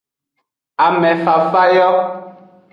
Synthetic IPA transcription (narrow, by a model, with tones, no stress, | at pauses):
a˨mɛ̃˨fa˨fa˦jɔ˦